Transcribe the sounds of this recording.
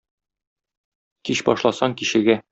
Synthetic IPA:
kiɕbɒʃlˠɑsɑŋkiɕɘ̆ɡæ

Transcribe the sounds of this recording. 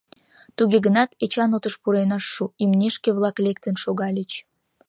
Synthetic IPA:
t̪uɣʲeɣənɑt̪et͡ɕɑnot̪əʃpuɾenɑʃːuimnʲeʃkʲeβlˠɑklʲek̚t̪ənʃoɣɑlʲet͡ɕ

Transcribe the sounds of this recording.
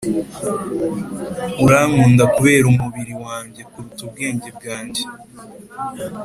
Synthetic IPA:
uɾaːŋuːndakuβe̞ːɾumuβiɾiwaːɲɟe̞kuɾutub̚ɡe̞ːɲɟe̞b̚ɡaːɲɟe

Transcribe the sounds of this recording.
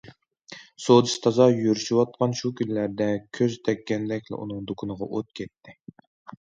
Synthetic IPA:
sod̪ɨʃt̪ʰɑzɑjyɾyʃiwɑt̪̚qʰɑnʃukʲʰynlæɾd̪ɛkʲʰøzt̪ʰɛkʲːɛnd̪ɛkʲlɪ̰ʔṵnɨŋd̪okʰunɨʁɑʔot̪̚kʲʰɛt̪ʰːɪ

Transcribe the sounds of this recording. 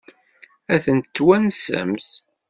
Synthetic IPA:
æθənt̪ːwænsə̰ms

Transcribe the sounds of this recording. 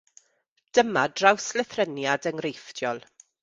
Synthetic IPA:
d̥əmadrawslɛθrənjadəŋrejfd̥jɔlˠ

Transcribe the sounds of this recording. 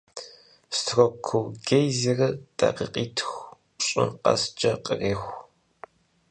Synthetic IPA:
stʰrɔkʷʰʊwɡejzirɐdʼɐqḭqʼiːtʰxʷ | ɕʼɪnqɐ̰sd͡ʒɐqʼəreːxʷ

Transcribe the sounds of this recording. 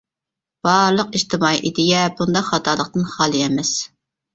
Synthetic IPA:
b̥ɑɾlˠəqiʃt̪ɪmɑːiʔid̪ɪjɛbund̪ɑχɑt̪ʰɑːlˠəqt̪ɨnχɑːlˠɨɛmɛs

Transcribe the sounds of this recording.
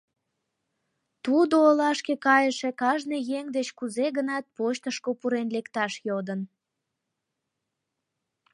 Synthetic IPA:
t̪ud̪oːlɑʃkekɑjəʃekɑʒnejeŋd̪et͡ɕkuzeɣənɑt̪̚poɕt̪əʃkopuɾenlekt̪ɑʃjod̪ən

